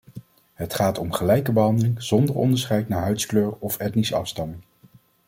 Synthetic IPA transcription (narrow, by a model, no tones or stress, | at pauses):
ɦətχaːtɔmχəlɛjkəbəɦɑndəlɪŋz̥ɔndəɹɔ̰ndəɹsχɛjtnaːɹɦœɥskløːɹɔfɛtnisəɑ̰fstɑmɪŋ